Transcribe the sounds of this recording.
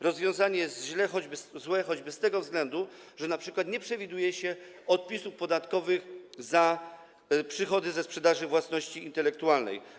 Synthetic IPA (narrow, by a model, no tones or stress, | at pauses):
ɾɔzvʲjɔ̃w̃zaɲɛjɛst̪ʑlɛxɔd͡ʑbɘzwɛxɔd͡ʑbɘst̪ɛɡɔvzɡlɛnd̪u | ʐɛnapʂɘkwat̪ɲɛpʂɛvʲid̪ujɛɕɛ | ɔt̪̚pʲisufpɔd̪at̪kɔvɘxza | pʂɘxɔd̪ɘzɛspʂɛd̪aʐɘvwasnɔɕt͡ɕiːnt̪ɛlɛkt̪ualnɛ̰j